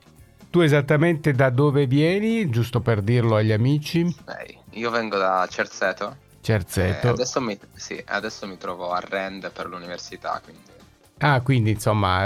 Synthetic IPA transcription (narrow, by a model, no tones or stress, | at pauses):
t̪uɛzat̪ːamɛnt̪ed̪ad̪oːvevjɛːnid͡ʒust̪operd̪irloaʎːamiːt͡ʃisɛ̰jiːovɛŋɡod̪at͡ʃɛɾt̪sɛːt̪o | t͡ʃɛrt̪sɛːt̪oad̪ɛsːomisḭa̰d̪ɛsːomit̪ɾɔːvoarːɛnd̪eperluniversit̪a̰kwind̪i | akːwind̪insomːa̰